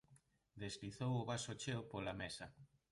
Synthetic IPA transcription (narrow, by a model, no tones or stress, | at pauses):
d̪ezliθowʊβasot͡ʃeopolamesɐ